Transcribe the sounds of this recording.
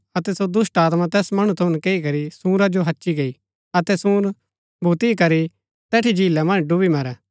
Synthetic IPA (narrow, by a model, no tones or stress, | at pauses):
ɐt̪ɛsod̪ʊsʈaːt̪mãt̪ɛːsmɐɽ̃ut̪ʰʊʊ̃nkeːikɐɾisũːɾad͡ʒoɦɐtːʃiɡei | ɐt̪ɛsũːɾ | bʱut̪ikɐɾi | t̪ɛːʈʰid͡ʒiːlːɛmɐ̃nd͡ʒɖʊbimɐɾɛː